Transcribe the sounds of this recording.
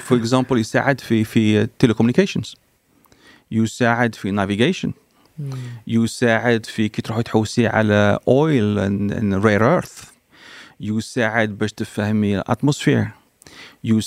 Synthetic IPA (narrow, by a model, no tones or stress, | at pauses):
fʊɾəkzæ̃mpəljusa̰ʕəd̪fifit̪elekɔmnikæʃənz̥ | jusaʕəd̪finæviɡæʃə̰n | jusaʕəd̪fikit̪ɾuħut̪ħuwːsiʕa̰læʔɔjlə̰nɾeɾʔəɾθ | jusaʕəd̪bæʃt̪əfæhmilʔæ̰t̪mosfḭɾ | ju